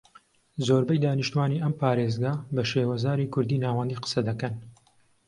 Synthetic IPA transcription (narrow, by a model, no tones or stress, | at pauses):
zoːɾbɐjd̪aːniʃt̪uwaːniʔɐmpʰaːɾezɡabɐʃeːwɐzaːɾiːkʰʊɾd̪iːnaːwɐnd̪iːqə̥sɐd̪ɐkɐn